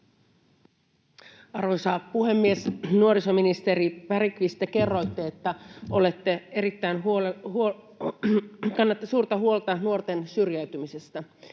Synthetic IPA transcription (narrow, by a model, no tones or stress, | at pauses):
ɑrʋojsɑpuɦe̞mːiesnuo̞ɾiso̞minist̪eɾipæɾikʋist̪æke̞rːo̞jt̪ːeet̪ːæo̞le̞t̪ːee̞ɾit̪ːæjnɦo | kɑnːɑt̪ːɑsuːrt̪ɑɦuo̞lt̪ɑnuo̞rt̪e̞nsyrjæyɥt̪ymisest̪æ